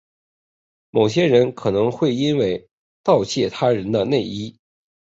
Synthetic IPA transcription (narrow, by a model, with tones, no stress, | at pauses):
mo˨˩ʊɕjɛ˥ɻə˧˥nkʰɤ˨˩nɤ˧˥ŋxwe˥˩ɪi˥nwe˥˧ɪ | t̪ɑ˥˧ʊt͡ɕʰjɛ˥˩t̪ʰa˥ɻə˧˥nd̪ə˧ne˥˩ɪi˥